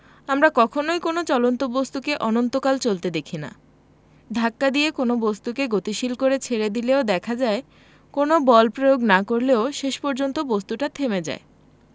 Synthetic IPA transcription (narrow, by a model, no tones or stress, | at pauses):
amɾakɔkʰonojkonot͡ɕɔlont̪obost̪ukeʔɔnont̪okalt͡ɕolt̪ed̪ekʰina̰ | d̪ʱakːad̪iekonobost̪ukeɡot̪iʃilkoɾet͡ɕʰeɾed̪ileod̪ɛkʰad͡ʑae | konobɔlpɾojoɡnakoɾleoʃeʃpɔɾd͡ʑont̪obost̪uʈat̪ʰemed͡ʑa̰e